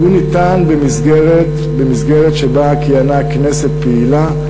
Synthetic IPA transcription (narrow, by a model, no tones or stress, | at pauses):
unit̪anbemisɡeʁet | bemisɡeʁet̪ʃebakianakne̞set̪̚peila